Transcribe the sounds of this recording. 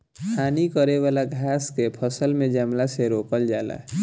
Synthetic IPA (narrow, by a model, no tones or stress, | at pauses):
kʰaːnikəɾeʋaːlaɡʱaːskepʰəsəlmẽd͡ʒəmlaseɾoːkəld͡ʒaːla̰